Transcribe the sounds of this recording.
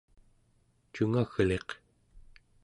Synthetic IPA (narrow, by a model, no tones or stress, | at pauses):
t͡ʃuŋaɣle̞q